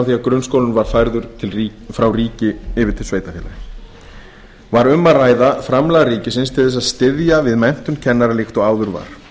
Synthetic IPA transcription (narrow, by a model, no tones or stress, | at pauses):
wθiːaðkɾʏnskoːwlʏnvaɾ̥fajɾðʏɾ̥t̪ʰɪlfɾawriːcɪɪvɪɾ̥t̪ʰɪlsveːjt̪afjɛːla | vaɾʏmːaraːjðafɾamlaɣariːcɪsɪnst̪ʰɪθɛs̬aðst̪ɪðjavɪðmɛn̥t̪ʏmcʰɛnːaɾalɪxt̪ɔɣaːwðʏɾva̰ɾ̥